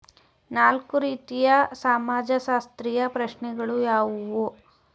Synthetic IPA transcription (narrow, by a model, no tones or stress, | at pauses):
naːlkuɾiːt̪ijɐsaːmaːd͡ʒɐʃaːst̪ɾijɐpɾɐʃɳɛɡɐɭujaːʋuʋu